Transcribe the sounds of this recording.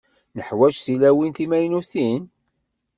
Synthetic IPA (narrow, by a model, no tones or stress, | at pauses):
nəħwæʒθilæwinθimæjnuθin